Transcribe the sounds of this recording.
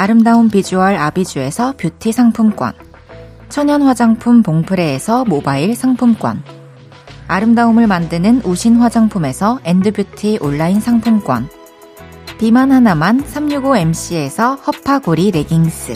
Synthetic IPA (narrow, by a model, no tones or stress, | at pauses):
aɾɯmdaumpid͡ʑuɦaɾabid͡ʑue̞sʰʌpjutʰisʰaŋpʰumk͈wa̰n | t͡ɕʰʌɲʌnɸwad͡ʑaŋpʰumpoŋpʰɯɾe̞ːsʰʌmobaiɭsʰaŋpʰumk͈wa̰n | aɾɯmdaumɯɭmandɯnɯnuɕʰinɸwad͡ʑaŋpʰume̞sʰʌe̞ndɯbjutʰiʔoɭːainsʰaŋpʰumk͈wa̰n | pimanhanamansʰamɲuɡoe̞mɕ͈ie̞sʰʌhʌpʰaɡoɾiɾe̞ɡiŋs͈ʰɯ